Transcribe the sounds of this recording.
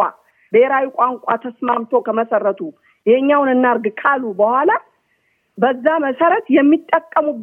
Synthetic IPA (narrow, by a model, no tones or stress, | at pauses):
a̰ | beɾawikʷʼaŋkʷʼat̪ʰəsmamt̪ʰo̞kəməsərːət̪ʰu | jɛɲːawnɨnːaɾɡkʼʰalubəhʷala | bəzːaməsəɾət̪jɛmːit̪ʼːəkʼːəmub